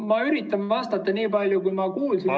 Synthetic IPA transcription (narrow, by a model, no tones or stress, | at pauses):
mɑyɾit̪ːˑɑnvɑst̪ɑt̪ːˑɑniːpɑlʲjukujmɑkuːlsi